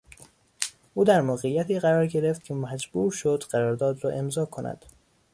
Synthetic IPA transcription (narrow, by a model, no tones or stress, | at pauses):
ʔuːd̪æɾmoːɣejːæt̪ʰiːɣæɾɒːɾɟe̞ɾeft̪cʰe̞mæd͡ʒb̥uːɾʃod̪ɢæɾɒːɾd̪ɒːd̪ɾɒːʔe̞mzɒːkʰo̞nʔæ̰d̪̥